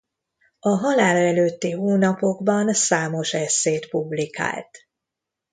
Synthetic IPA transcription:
ɒɦɒlaːlɒɛløːt̪ːiɦoːnɒpo̞ɡbɒnsaːmo̞ʃɛsːeːt̪publika̰ːlt̪

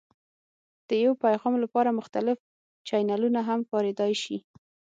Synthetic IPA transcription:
d̪̥əjawpajɣɑmlapɑɾamʊxt̪alɪf | t͡ʃajnalunaɦamfɑɾed̪ɑjʃi

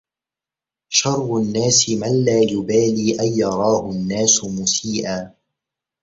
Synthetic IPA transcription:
ʃɑrˤːʊnːaːsɪmanlaːjʊbaːliːʔajːɑɾˤɑːhʊnːaːsʊmʊsiːʔaː

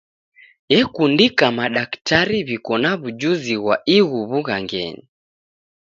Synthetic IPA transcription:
jɛkundikamaɗaktaɾiβikɔnaβud͡ʒuziɣwaiɣuβuɣaŋɡɛ̰ni

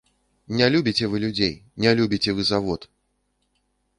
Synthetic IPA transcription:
nʲalʲubʲit͡sʲɛvɨlʲud͡zʲejnʲalʲubʲit͡sʲɛvɨzavɔt̪

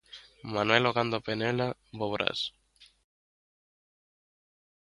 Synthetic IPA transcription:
manweloɣand̪openelaboβɾʔa̰s

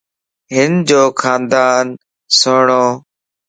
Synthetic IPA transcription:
ɦɪnd͡ʒoːkʰaːnd̪aːn | soːɳoː

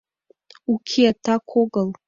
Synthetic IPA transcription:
ukʲʰiatʰakʷʰoɡəl

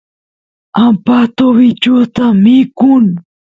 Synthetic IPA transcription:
ampat̪owit͡ʃot̪amikʊn

